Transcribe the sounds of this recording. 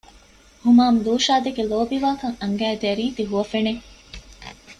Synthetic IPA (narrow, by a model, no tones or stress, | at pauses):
humaːmluːʃaːd̪eɡeloːbiʋaːkɐŋɐŋɡæːd̪eɾiːd̪iɦuʋɐfene